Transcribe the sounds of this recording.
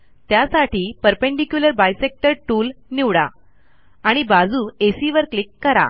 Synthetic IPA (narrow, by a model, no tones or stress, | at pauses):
t̪jasaʈiːpəɾpẽɳɖikjuləɾbajsek̚ʈəɾʈuːlniʋɽa̰ | aɽ̃ibad͡zuːesiʋəɾklikːəɾa̰